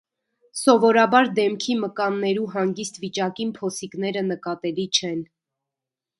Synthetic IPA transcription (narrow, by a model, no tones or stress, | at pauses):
sɔvɔɾɑbɑɾd̪ɛmkʰiməkɑnːɛɾuɦɑŋɡist̪vit͡ʃɑkinpʰɔsikn̪ɛɾənəkɑt̪ɛlit͡ʃʰɛn